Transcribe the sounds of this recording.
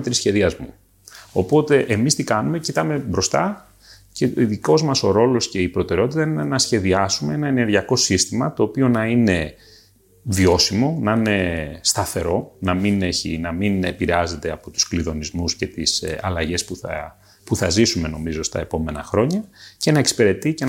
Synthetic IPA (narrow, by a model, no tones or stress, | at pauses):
t̪ɾisçe̞ðiɐzmu | o̞po̞t̪e̞ʔemist̪ikɐnume̞cit̪ɐme̞bɾo̞st̪ɐ | ceoiðiko̞zmɐso̞ɾo̞lo̞sceipɾo̞t̪e̞ɾeo̞t̪̬it̪ɐininenɐsçe̞ðiɐsumee̞nɐene̞ɾʝiɐko̞sist̪imɐt̪o̞ːpio̞nɐine̞ | vio̞simo̞nɐine̞st̪ɐθe̞ɾo̞nɐmine̞çḭnɐminepiɾeɐze̞t̪e̞ɐpo̞t̪u̥skliðo̞nizmusce̞t̪isɐ̰lɐʝe̞spuθɐ̰ | puθɐzisume̞no̞mizo̞st̪ɐ̰e̞po̞me̞nɐxɾo̞ɲɐce̞nɐe̞ksi̥pe̞ɾe̞t̪ice